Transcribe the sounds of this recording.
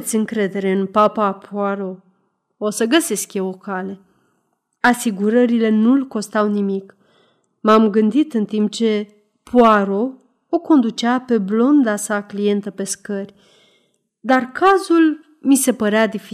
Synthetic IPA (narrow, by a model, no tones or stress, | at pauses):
t̪sʲɨŋkɾe̞d̪e̞ɾe̞ɨnpapapʰoaɾo̞ | osəɡəse̞skjewo̞kale̞ | asiɡuɾəɾile̞nulko̞st̪awnimik | mamɡɨnd̪it̪ɨnt̪imp̚t͡ʃe̞ | pwaɾo̞ | oko̞nd̪ut͡ʃɪape̞blo̞nd̪asaklije̞nt̪əpe̞skərʲ | d̪arkazul | mise̞pəɾead̪ifi